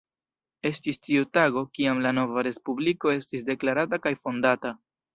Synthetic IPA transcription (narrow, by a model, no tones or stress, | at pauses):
e̞stistiutaɡo̞kiamlano̞vaɾe̞spubliko̞e̞stisde̞klaɾatakajfo̞ndata